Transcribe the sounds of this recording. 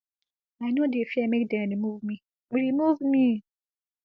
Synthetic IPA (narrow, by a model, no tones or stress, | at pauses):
ajnõdefiɛmekdɛ̃nĩmuvmĩ | k͡piɾimuvmĩ